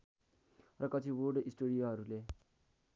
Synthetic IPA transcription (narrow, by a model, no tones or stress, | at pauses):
rʌkʌt͡sʰiworɖisʈoɽijoɦʌɾule